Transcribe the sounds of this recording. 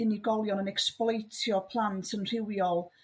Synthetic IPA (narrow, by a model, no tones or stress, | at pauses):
ɪniɡɔlˠjɔnənɛksplˠɔjtʰjɔpʰlˠantʰənr̥ɪwjɔlˠ